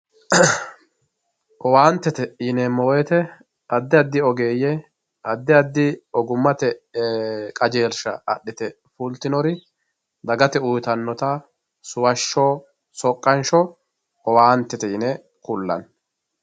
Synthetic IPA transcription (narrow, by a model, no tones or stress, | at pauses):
ɔwaːnt̪ːɛt̪ɛjɪnɛmɔwɛt̪ɛ | ɐd̪ːɪɐd̪ːɪɔɡeːjɛ | ɐd̪ːɪɐd̪ːɪɔɡʊmːɐt̪ɛ | kʼɐd͡ʒe̞ːɾʃɐ̰ɐɗːɪt̪ɛ | fʊlt̪ːɪnɔɾɪ | d̪ɐɡɐt̪ɛʊjt̪ɐnːɔt̪ɐ | sʊwɐʃːoː | sɔkʼːɐnʃɔ | ɔwaːnt̪ːɛt̪ɛjɪnɛ | kʊlːɐ̰n